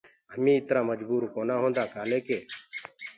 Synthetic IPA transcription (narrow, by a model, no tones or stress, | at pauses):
ɦəmĩːɪt̪ɾaːməd͡ʒbuːɾkoːnaːɦõːnd̪aːkaːlẽːkeː